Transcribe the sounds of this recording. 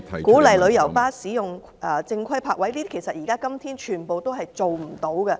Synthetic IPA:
kuː˨˥lɐ˨jlɵ˨˧ɥjɐ˨˩wpaː˥siː˨˥jʊ˨ŋ | ʔɛ˨t͡sɪ˧ŋkʰɐ˥jpʰaː˧˥k̚wɐ˨˥jliː˥kʰe˨˩jsɐ˨t̚jiː˨˩kaː˥kɐ˥mt̪ʰiː˥nt͡ʃʰyː˨˩npo˨wt̪o˥wɦɐ˨jt͡so˨wm̩˨˩t̪o˨˥wkɛ˧

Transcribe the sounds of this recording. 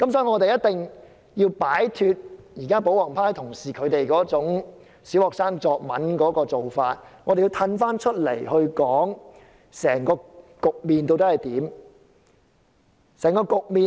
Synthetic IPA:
kɐ˨˥msɔː˨˥˨ŋɔː˨˧t̪e˨jɐ˥t̚t̪ɪ˨ŋ | jiː˧wpaː˨˥jt̪ʰyː˧t̚jiː˨˩kaː˥po˨˥wɔː˨˩ŋpʰaː˥jt̪ʰʊ˨˩ŋsiː˨˩kʰɵ˨˧˥t̪e˨jkɔː˨˥t͡sʊ˨˥ŋ | siː˨˥whɔː˨k̚saː˥ŋt͡sɔː˨k̚mɐ̰˨˥nkɔː˨˥kɔː˧t͡so˨wfaː˧t̚ŋɔ˨˧ɾe˨jiː˧wt̪ʰɐ˧nfaː˥nt͡ʃʰɵ˥t̚le˨˩jhɵ˧ɥkɔː˨˥ŋ | sɛː˨˩ŋkɔː˧kʊ˨k̚miː˨nt̪o˧wt̪ɐ˥hɐ˨˩jt̪iː˨˥m | sɛː˨˩ŋkɔː˧kʊ˨k̚miː˨

